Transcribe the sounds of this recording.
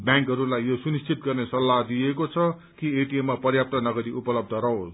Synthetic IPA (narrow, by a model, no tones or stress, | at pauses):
bjãŋkɦʌɾulajːjosunist͡sʰit̪̚ɡʌrnesʌlːaɦd̪iekot͡sʰʌ | kieʈiemːapʌrjap̚t̪ʌnʌɡʌɾiʔupʌlʌb̚d̪ʱʌɾʌɦos